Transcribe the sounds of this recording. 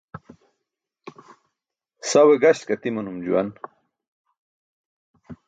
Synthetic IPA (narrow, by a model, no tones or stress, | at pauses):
saweɡaɕkɐt̪imɐnumd͡ʑuwa̰n